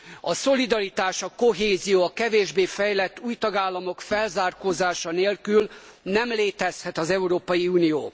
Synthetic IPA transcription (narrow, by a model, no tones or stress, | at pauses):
ɒso̞lid̪ɒɾit̪aːʃɒko̞ɦeːzijoːɒkɛveːʒbeːfɛjlɛt̪ːuːjt̪ɒɡaːlːɒmo̞kfɛlzaːrkoːzaːʃɒneːlkylnɛmleːt̪ɛshɛt̪ɒzɛuɾoːpɒjiuːnijoː